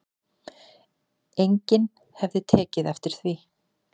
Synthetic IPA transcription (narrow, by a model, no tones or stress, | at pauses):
ejɲcɪn | hɛvðɪt̪ʰɛːcɪðɛft̪ɪɾ̥θvi